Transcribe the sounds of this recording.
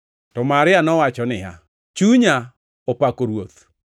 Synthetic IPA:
tɔmaɾɪanɔwat͡ʃɔnɪa̰ | t͡ʃuɲa | opakoɾwot̪

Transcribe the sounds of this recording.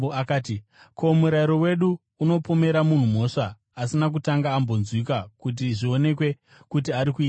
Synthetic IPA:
akaːti | kʰo̞muɾaiɾo̞we̞ɗuː | no̞pome̞ɾamun̤umo̞ʂaː | sinak̬utaŋɡaːmbo̞nzwikakut̬iʐio̞ne̞k̬we̞ | kut̬iaɾikuiːa

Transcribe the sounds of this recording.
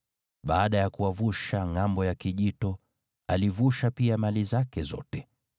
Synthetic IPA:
ɓaːɗajakuavuʃaŋambɔjakiʄitɔ | alivuʃapiamalizakɛzɔ̰tɛ

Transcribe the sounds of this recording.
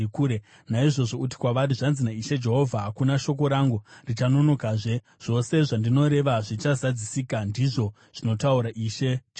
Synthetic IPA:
kuːɾe | naiʐo̞ʐo̞uti̥kwaʋaɾiʐanzinaiʃe̞d͡ʒe̞ɦo̞vʱaɦakunaʃo̞k̬o̞ɾaŋɡurit͡ʃano̞no̞kaʐe̞ | ʐ̥o̞se̞ʐandino̞ɾe̞ʋaʐit͡ʃazad͡zisikandiʐo̞ | ʐ̥ino̞tauɾaʔiʃe̞d͡ʒ

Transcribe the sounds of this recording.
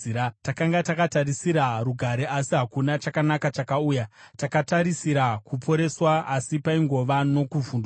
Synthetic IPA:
takaŋɡatakatarisiɾaruɡʱaɾeʔasiɦakunat͡ʃakanakat͡ʃakauːjatakataɾisiɾakupʰo̞ɾe̞swaasipaiŋɡo̞ʋano̞kuvuːnda

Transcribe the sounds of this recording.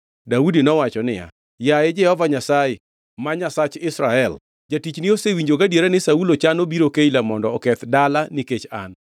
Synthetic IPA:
daudinɔwat͡ʃɔnɪ̰ja̰ | jaɪd͡ʒɛhɔvaɲasaɪ | maɲasat͡ʃɪsɾaɛl | d͡ʒatit͡ʃnɪosewiɲd͡ʒoɡadjeɾanɪsaulot͡ʃanobiɾokeilamɔndɔːkɛt̪dalaniket͡ʃa̰n

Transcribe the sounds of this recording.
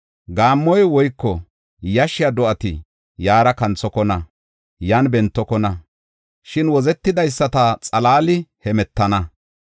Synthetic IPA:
ɡaːmːɔjwɔjkːɔ | jɐʃɪjɐd̪ɔʔɐt̪ɪ | jaːɾɐkɐnt͡sɔkɔnɐ | jaːnbɛnt̪ːɔkɔnɐ | ʃɪnwɔzɛt̪ːɪd̪ɐjsːɐt̪ɐt͡sʼɐlaːlɪhɛmɛt̪ːɐnɐ

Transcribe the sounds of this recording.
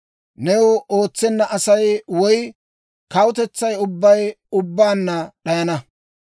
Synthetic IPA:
nɛwʊo̞ːt͡sːɛnːɐʔɐsɐjwɔj | kɐwʊt̪ɛt͡sːɐjʊbːɐjʊbːaːnːɐɗɐjɐnɐ

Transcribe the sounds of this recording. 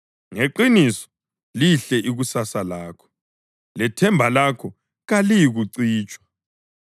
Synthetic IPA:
ŋeǃinisɔ̥ | liɬɛʔiɣusasalaːkʰɔ̥ | lɛtʰɛmbʱalakʰɔ | ɣalijiɣuǀiːt͡ʃʼwḁ

